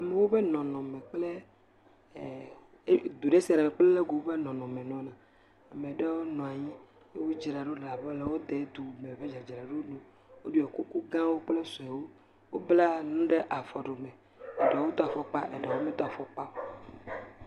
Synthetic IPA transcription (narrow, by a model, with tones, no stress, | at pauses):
a˨me˨wo˦ɸe˦nɔ̃˨nɔ̃˨mẽ˨k͡ple˦˨˦ | d̪u˨ɖe˦si˨a˨ɖe˨mẽ˨k͡plɛ˦le˦ɡo˨wo˦be˦nɔ̃˨nɔ̃˨mẽ˨nɔ̃˨˦nã˨ | a˨me˨ɖɛ˦wo˦nɔ̃˨a˨ɲĩ˦ | e˦wu˦d͡ʒi˨ɾa˨ɖo˦ɖla˨bɔ˦le˨wo˦d̪e˨˦d̪u˨me˨ve˦d͡ʒa˨d͡ʒi˨ɾa˨ɖo˦nũ˦ | wo˦ɖu˦ɛ˨ku˦ku˦ɡã˦wo˦k͡ple˦sɔ˨ɛ˨wo˦ | wo˦bla˦nũ˦ɖe˦ʔa˨fɔ˨ɖo˨mɛ̃˨ | e˨ɖɛ˨wo˦t̪ɔ˦a˨fɔ˦k͡pa˦ʔḛ˨ɖɛ˨wo˦mẽ˦t̪ɔ˦a˨fɔ˦k͡pa˦